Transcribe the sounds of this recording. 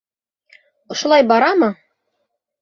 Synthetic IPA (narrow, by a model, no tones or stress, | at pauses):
ŏʃŏlˠɑjbɑɾɑmɤ